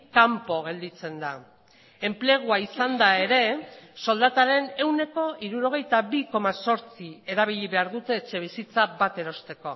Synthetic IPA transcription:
kampo̞ɣ̞e̞ld̪it͡se̞nd̪a | emple̞ɣ̞uaisand̪ae̞ɾe̞so̞ld̪at̪aɾe̞ne̞wne̞ko̞ʔiɾuɾo̞ɣ̞e̞jt̪aβiko̞maso̞ɾt͡sie̞ɾaβ̞iʎiβe̞aɾðut̪e̞ːt͡ʃe̞β̞isit͡sabat̪e̞ɾo̞st̪e̞ko̞

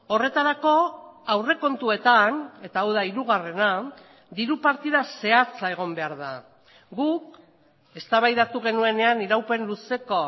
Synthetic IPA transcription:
o̞re̞t̪aɾako̞awre̞ko̞nt̪ue̞t̪ane̞t̪aːwðaiɾuɣ̞are̞na | d̪iɾupaɾt̪iðase̞at͡sae̞ɣ̞o̞mbe̞aɾða | ɡuk | e̞st̪aβajðat̪uɣ̞e̞nue̞ne̞aniɾawpe̞nluse̞ko̞

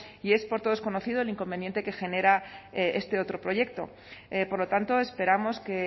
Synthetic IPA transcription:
ie̞spo̞ɾt̪o̞ðo̞skono̞θiðoeliŋko̞mbenjent̪e̞ke̞xe̞ne̞ɾaeʔe̞st̪e̞o̞t̪ɾo̞pɾo̞ʝe̞k̚t̪o̞̰ | po̞ɾlo̞t̪ant̪o̞e̞spe̞ɾamo̞ske

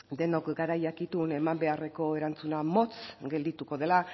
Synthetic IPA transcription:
d̪e̞no̞kɡaɾajakit̪une̞mambe̞are̞ko̞e̞ɾant͡sunamo̞t͡sɡe̞ld̪it̪uko̞ð̞e̞la

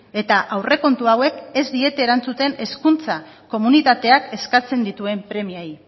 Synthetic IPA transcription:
e̞t̪aʔawre̞ko̞nt̪uawe̞ke̞zd̪ie̞t̪e̞ːɾant͡sut̪e̞ne̞skunt͡sa | ko̞munit̪at̪e̞ake̞skat͡se̞nd̪it̪ue̞mpɾe̞miai

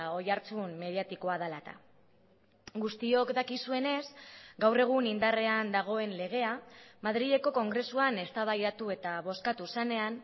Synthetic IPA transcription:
o̞jaɾt͡summe̞ð̞iat̪iko̞að̞alat̪a̰ | ɡust̪io̞kd̪akisue̞ne̞sɡawre̞ɣ̞unind̪are̞and̪aɣ̞o̞e̞nle̞ɣ̞e̞amað̞ɾiʝe̞ko̞ko̞ŋɡɾe̞suane̞st̪aβajɾat̪ue̞t̪aβo̞skat̪usane̞an

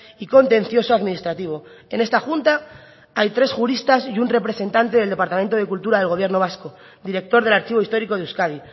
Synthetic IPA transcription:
iko̞nt̪ẽ̞nθjo̞soaðminist̪ɾat̪iβ̞o̞ene̞st̪axunt̪a | ajt̪ɾe̞sxuɾist̪asiunre̞pɾe̞se̞nt̪ant̪e̞ð̞eld̪e̞paɾt̪ament̪oð̞e̞kult̪uɾaðe̞lɣ̞o̞βje̞ɾno̞β̞asko̞ | d̪iɾe̞k̚t̪o̞ɾð̞e̞laɾt͡ʃiβ̞o̞ist̪o̞ɾiko̞ð̞euskað̞i

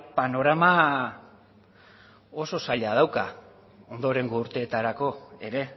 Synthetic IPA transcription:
pano̞ɾama | o̞so̞saʎað̞awka | o̞nd̪o̞ɾe̞ŋɡouɾt̪e̞ːt̪aɾako̞e̞ɾe̞

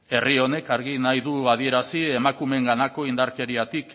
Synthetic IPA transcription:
e̞rio̞ne̞kaɾɣinajðuaðie̞ɾasie̞makume̞ŋɡanako̞ind̪aɾke̞ɾiat̪ik

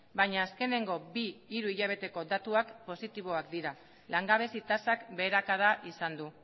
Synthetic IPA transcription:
baɲaːske̞ne̞ŋɡo̞biːɾuiʎaβ̞e̞t̪e̞ko̞d̪at̪uakpo̞sit̪iβo̞akd̪iɾa | laŋɡaβ̞e̞sit̪asakbe̞ːɾakaðaʔisand̪u

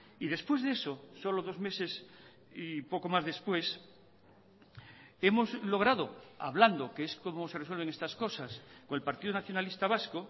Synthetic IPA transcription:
iðe̞spwe̞zðe̞soso̞loðo̞zme̞se̞s | ipo̞ko̞mazðe̞spwe̞s | e̞mo̞zlo̞ɣ̞ɾaðoa̰βland̪okeesko̞mose̞reswe̞lβe̞ŋest̪asko̞sasko̞ŋelpaɾt̪iðonaθjo̞nalist̪aβ̞asko

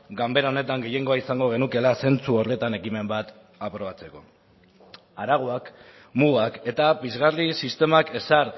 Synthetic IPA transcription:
ɡambe̞ɾao̞ne̞t̪aŋɡe̞je̞ŋɡo̞aisaŋɡo̞ɣe̞nuke̞lase̞nt͡suorle̞t̪ane̞kime̞mbat̪ | apɾo̞βat͡se̞ko̞ | aɾaɣ̞oak | muɣake̞t̪aβizɣarisist̪e̞make̞saɾ

